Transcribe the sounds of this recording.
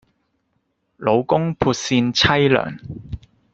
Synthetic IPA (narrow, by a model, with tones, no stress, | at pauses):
lo˨˧wkʊ˥ŋpʰuː˧t̚siː˧nt͡sʰɐ˥jlœ̰ː˨˩ŋ